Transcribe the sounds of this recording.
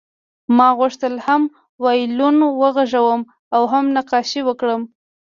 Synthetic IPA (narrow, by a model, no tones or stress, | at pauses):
mɑɣʊʂt̪əlham | wɑjlunwəɣaʐawəm | awɦamnaqɑʃiwəkɽəm